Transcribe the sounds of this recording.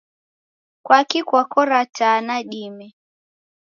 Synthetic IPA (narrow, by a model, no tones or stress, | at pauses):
kwakikwakɔɾataːnaɗimɛ